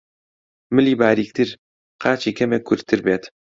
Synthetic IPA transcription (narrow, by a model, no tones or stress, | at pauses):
mɨlibaːɾik̚t̪iɾ | qʰaːt͡ʃikemekʰuɾt̪ʰɨɾbet̪